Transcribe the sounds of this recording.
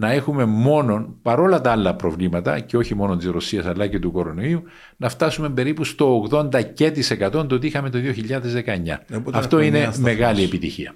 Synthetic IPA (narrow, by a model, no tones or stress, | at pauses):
nɐe̞xume̞mo̞no̞npɐɾo̞lɐt̪ɐɐlːɐpɾo̞vlimɐt̪ɐ̰ceo̞çimo̞nont̪izɾo̞siɐsɐlːɐcet̪uko̞ɾo̞no̞iu | nɐft̪ɐsumembe̞ɾipust̪o̞ːɣðo̞nd̪ɐce̞t̪ise̞kɐt̪o̞nt̪ot̪ixɐme̞t̪oðio̞çiʎːɐðezðe̞kɐeɲːɐ̰ɐft̪o̞ineme̞ɣɐliepit̪içiɐ